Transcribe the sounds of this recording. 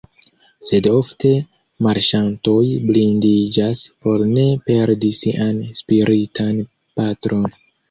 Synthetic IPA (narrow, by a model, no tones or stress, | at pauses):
se̞do̞fte̞ | maɾʃanto̞jblindid͡ʒaspo̞ɾne̞pe̞ɾdisiʔanspiɾʔitʰan | patɾo̞n